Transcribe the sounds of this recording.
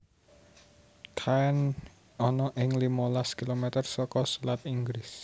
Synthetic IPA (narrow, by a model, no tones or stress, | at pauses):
kʰaɛn | ɔnɔʔɪŋlimɔlaskilomet̪ərsɔkɔsulat̪iŋɡɾɪs